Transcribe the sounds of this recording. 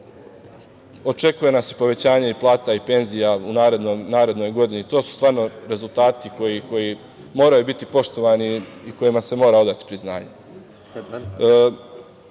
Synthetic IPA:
o̞t͡ʃe̞kuje̞nasi̥po̞ʋe̞t͡ɕaːɲaiplˠaːt̪aipe̞nzijaunaːɾe̞d̪nonaːɾe̞d̪no̞jɡo̞d̪init̪o̞ːsu̥st̪ʋaːɾno̞ɾe̞zulˠt̪aːt̪iko̞jiko̞ji | mo̞ːɾajubit̪ipo̞ʃt̪o̞ʋaːniːko̞jimase̞mo̞ːɾao̞d̪at̪i̥pɾizna̰ːɲe

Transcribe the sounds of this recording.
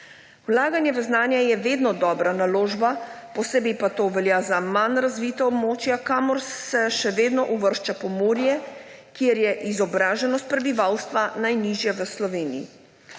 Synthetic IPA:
wlaːɡanjɛʋəznaːnjajɛʋeːd̪nɔd̪ɔːbɾanaloːʒbapɔsebipat̪oːʋɛljaːzamanɾazʋit̪aɔbmoːt͡ʃjakaːmɔɾsɛʃɛʋeːd̪nɔʔuʋəɾʃt͡ʃapɔmuːɾijɛ | kjeɾjɛʔizɔbɾaːʒɛnɔst̪̚pɾɛbiʋawst̪ʋanajniʒjaʋəslɔʋeːnḭjḭ

